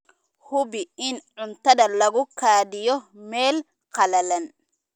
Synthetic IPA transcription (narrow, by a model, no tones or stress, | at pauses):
hʊbɪɪnʕʊnt̪ɐðɐlɐɣʊkʰaːd̪ɪjɔmɛːl | qɐlɐlɐn